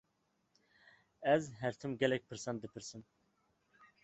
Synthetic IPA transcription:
ɛzɦæɾt̪ʰɪmɡʲɛlɛk̚ʲpʰɨɾsɛnd̪ɪpʰɪɾsɪn

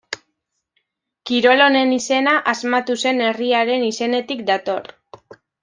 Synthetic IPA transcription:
kiɾo̞lo̞ne̞nise̞naʔazmat̪use̞ne̞riaɾe̞nise̞ne̞t̪ikd̪at̪o̞r

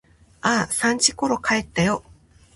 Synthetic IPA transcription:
aːsãɲ̟t͡ɕiko̞ɾo̞kaet̪ːajo̞

